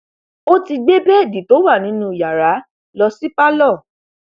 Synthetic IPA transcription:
o˦ti˧ɡ͡be˦bɛ˦˨di˨to˨˦wa˦˨nĩ˨˦nũ˦˨ja˨ɾa˨˦ | lɔ˧si˦pa˦lɔ˦˨

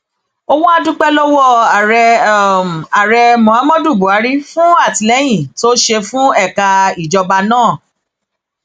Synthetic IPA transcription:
o˧wɔ̃˦a˦˧dũ˦k͡pɛ˦lɔ˦wɔ˦˨ɾɛ˧ | a˨ɾɛ˧mɔ̃˨a˨˦mɔ̃˦du˦˨bu˨˦a˨˦ɾi˦fũ˦a˦˨ti˨˦lɛ˨˦j̃ĩ˦˨to˦ʃe˧fũ˦ɛ˦˨ka˧i˨d͡ʒɔ˧ba˧nãː˦˨

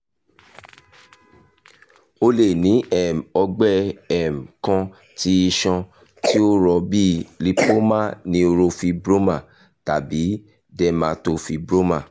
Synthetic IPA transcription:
o˧le˨nĩ˨˦ɛ˨m̩˨ɔ˧ɡ͡bɛ˦ɛ˨m̩˨kã˧ | ti˧˦i˧ʃɔ̃˧ | ti˦o˦ɾɔ˧bi˦li˧po˦mã˦˨nĩ˧o˧ɾo˧fi˧bɾo˦mã˦˨ | ta˨bi˨˦ | dɛ˧mã˧˦to˧fi˧bɾo˦mã̰˦˨

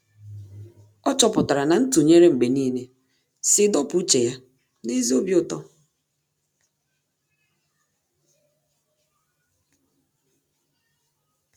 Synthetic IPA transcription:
ɔ˦t͡ʃɔ˨pʊ˨ta˨ɾa˨na˨n̩˦tu˨ɲe˦ɾe˦ŋ͡m̩˨ɡ͡be˨niː˦ne˦ | sɪ˨˦dɔ˦pu˨˦u˦t͡ʃe˨ja˦ | ne˦zi˦o˦bji˦ʊ˦tɔ˦

